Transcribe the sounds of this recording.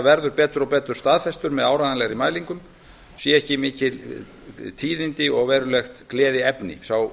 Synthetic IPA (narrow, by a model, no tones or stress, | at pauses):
vɛɾðʏɾpɛːt̪ʏɾɔpɛːt̪ʏɾ̥st̪aːðfɛst̪ʏɾmɛðawɾaðanlɛɣɾimaːjliŋkʏm | sjɛɛhcɪmɪːcɪl | t̪ʰiːðɪnt̪ɪɔɣvɛːɾʏlɛxt̪klɛːðɪɛpnɪ̰saw